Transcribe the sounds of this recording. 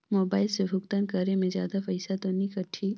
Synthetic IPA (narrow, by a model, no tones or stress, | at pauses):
moːbaːɪlsebʱʊkt̪ənkɐɾemẽzja̰ːd̪apɐɪsat̪onĩkɐʈʰːi